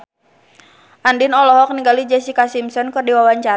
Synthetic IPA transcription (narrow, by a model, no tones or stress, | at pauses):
ʔandinɔlɔɦɔk̚niŋɡalid͡ʒɛsikasimsɔnkɨrdiwawaɲt͡ʃa